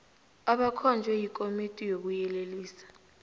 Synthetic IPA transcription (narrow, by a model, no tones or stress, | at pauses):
aɓakʰɔnd͡ʒʱwɛjikʼomitʼijok̬ujɛleliːsḁ